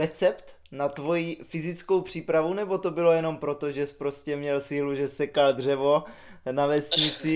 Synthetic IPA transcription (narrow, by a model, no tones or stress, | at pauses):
ɾɛt͡sɛpt̪ | nat̪vo̞jifɪzɪt͡sko̞wpr̝̥iːpɾavunɛbo̞t̪o̞bɪlo̞jɛno̞mpɾo̞t̪o̞ʒɛspɾo̞scɛmɲɛlsiːluʒɛsɛkald̪r̝ɛvo̞ | navɛsɲɪt͡sɪ